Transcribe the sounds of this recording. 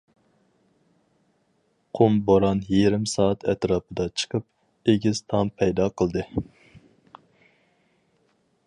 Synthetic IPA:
qʰomboɾɑnjeɾɪmsɑːɑt̪ʰɛt̪ɾɑːpʰɨd̪ɑt͡ʃʰə̥qʰəp̚ | eɡʲɪz̥t̪ʰɑmpʰɛjd̪ɑqʰəlˠd̪ɨ

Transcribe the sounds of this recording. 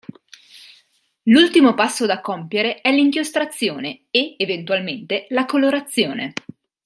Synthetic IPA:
lult̪imopasːod̪akɔmpjeɾeɛliŋkjost̪ɾat̪sːjoːneeevent̪ualment̪elakoloɾat̪sːjoːne

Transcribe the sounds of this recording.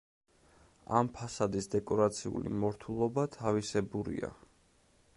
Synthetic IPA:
a̰mpʰasad̪isd̪ɛkʼɔɾat̪sʰiṵlḭmɔɾt̪ʰulˠɔbat̪ʰavisɛbuɾḭa̰

